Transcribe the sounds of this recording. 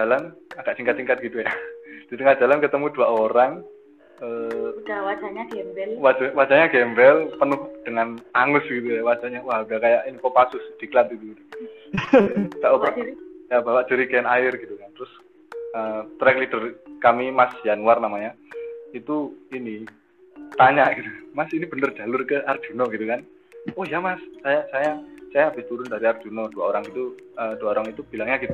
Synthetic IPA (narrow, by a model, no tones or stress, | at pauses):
d͡ʒalanaɡ̥aʔsiŋkat̪̚siŋkat̪̚ɡ̥it̪ujad̥it̪əŋahd͡ʒ̥alankət̪əmuduaoɾaŋ | ədwad͡ʒaɲaɡɛmbɛlwad͡ʒawad͡ʒaɲaɡɛmbɛlpənʊhd̥əŋanaŋʊsɡ̥it̪̬ujawad͡ʒaɲawahɡakajaʔinikɔpasʊsd̥ikəlat̪̚ɡit̪uɡit̪u | ɡ̥aʔoajabawaʔd͡ʒuɾikɛnaɪrɡit̪ukant̪əɾʊs | ət̪ɾɛklid̥ərkamimasjanwarnamaɲait̪uini | t̪aɲaʔɡ̥it̪umasinib̥ənərdd͡ʒ̥a̤lʊrkəʔard͡ʒ̥unɔɡit̪ukan | ɔhjamassajasajasajabit̪uɾʊndaɾiard͡ʒ̥unɔd̥uaoɾaŋɡit̪u | əd̥uaoɾaŋit̪ub̥ilaŋɲaɡit̪